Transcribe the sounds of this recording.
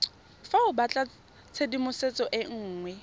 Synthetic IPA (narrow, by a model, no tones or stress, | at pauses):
faʊbat͡ɬʼa | t͡sʰedimʊset͡sʼɔʔɪŋ̩ːŋwɛ